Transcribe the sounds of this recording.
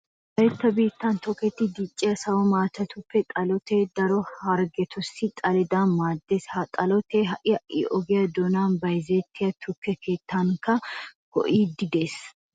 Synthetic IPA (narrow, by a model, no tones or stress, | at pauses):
bɐjɛt̪ːɐbiːt̪ːɐnt̪ʰɔkːɛt̪ːɪd̪it͡ʃʼːɪɐsɐwɔmaːt̪ɐt̪ʊpːɛt̪ʼɐlɔt̪eːd̪ɐɾɔhɐɾɡɛt̪ʰɔsːɪt̪ʼɐlɛd̪aːnmaːd̪ːeshɐt̪ʼɐlɔt̪eːɦɐʔɪɐʔḭʔɔɡɪjɐd̪ɔnaːnbɐjzeːt̪ʰːɪjɐt̪ʰʊkːɛkʰe̞ːt̪ːaŋkɐɡ̥ɔ̰ʔiːd̪ɪd̪e̞ːs